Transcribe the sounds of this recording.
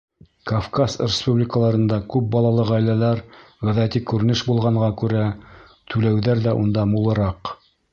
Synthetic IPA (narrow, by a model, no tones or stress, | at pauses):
kafkasrʲɪspublʲɪkəlˠɑɾɤ̆nd̪ɑkʉp̚bɑlˠɑlˠɤʁæjlælæɾ | ʁɘ̆ðæt̪ikʉɾɘ̆nɘʃbulˠʁɑɴʁɑkʉɾæ | t̪ʉlæwðæɾðæʔund̪ɑmulˠɤ̆ɾɑq